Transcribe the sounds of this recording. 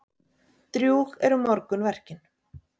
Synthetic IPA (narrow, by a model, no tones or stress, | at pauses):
t̪ɾjuːɣɛɾʏmɔɾkʏnvɛr̥cɪn̥